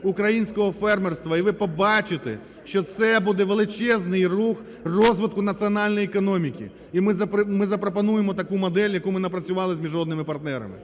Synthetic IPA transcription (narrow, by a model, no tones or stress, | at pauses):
ukɾɐjinʲsʲkɔɦɔfɛrmerst̪ʋɐiʋɪpɔbɑt͡ʃɪt̪ḛ | ʃt͡ʃɔt̪sɛbud̪ɛʋelˠɪt͡ʃɛznɪjrux | rɔzʋɪt̪̚kʊnɐt̪sʲiɔnɑlʲnɔjiekɔnɔmʲikʲḭ | imɪzɐpmɪzɐpɾɔp̬ɐnujemɔt̪ɐkumɔd̪ɛlʲjɐkumɪnɐpɾɐt͡sʲʊʋɑlˠɪzʲmʲiʒɔd̪nɪmɪpɐrt̪̚nɛɾɐ̰mɪ̰